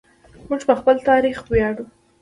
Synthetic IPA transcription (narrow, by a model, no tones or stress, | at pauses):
muʐpəxpəlt̪ɑɾixwjɑɽu